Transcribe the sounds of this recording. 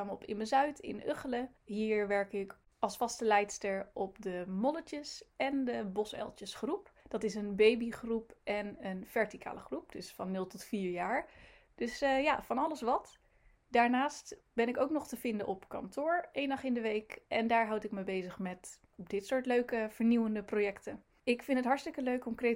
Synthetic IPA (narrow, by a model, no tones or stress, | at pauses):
amɔpɪ̰nəzœɥtɪ̰nø̰χələɦiːɹʋɛɹkɪk | ɑlˠsfɑstəlɛjtstəɹɔpdəmɔlət͡ʃəsɛndəbɔsɛ̰lˠtəsχrupd̥ɑtɪsənbejbiχrupʔɛnənv̥ɛɹtikʰa̰ːləχrup̚d̥ɵsfɑnːɵlˠtɔtfiːɹjaːɹ | d̥ɵsjafɑnɑləsʋɑt | daːɹnaːst | b̥ɛnɪkowknɔχtəvɪndənʔɔpkɑ̰ntʊːɹejndɑχɪndəʋejkʔɛndaːɹɦɑwtɪk̚məbejzəχmɛt | ɔpdɪtsʊːɹtløɥkəv̥əɹniwəndəprojɛktə | ɪkfɪntətɦɑɹtstɪkəløɥkɔŋkre